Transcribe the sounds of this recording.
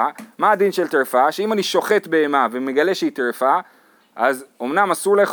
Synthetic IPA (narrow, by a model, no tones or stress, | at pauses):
amaːd̪inʃelt̪eʁfaʃeimaniʃo̞χe̞t̪be̞ːmavemeɡale̞ʃeit̪ʁefa | ʔazo̞mnamasuʁleχ